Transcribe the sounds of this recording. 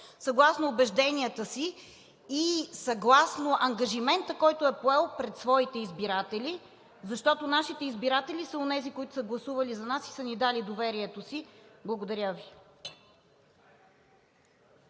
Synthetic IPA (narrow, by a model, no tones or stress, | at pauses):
sɐɡlˠasnoːbɛʒd̪ɛniət̪əsiː | sɐɡlˠasnoʔɐŋɡɐʒimɛnt̪əkɔjt̪oɛpoɛlˠpɾɛt̪svɔit̪ɛizbiɾat̪ɛli | zɐʃt̪ɔt̪onaʃit̪ɛizbiɾat̪ɛlisəonɛzikoit̪ʊ̥səɡlˠɐsuvɐlizɐnasi̥sənid̪alid̪ovɛɾiɛt̪osiblˠɐɡod̪ɐɾʲəvi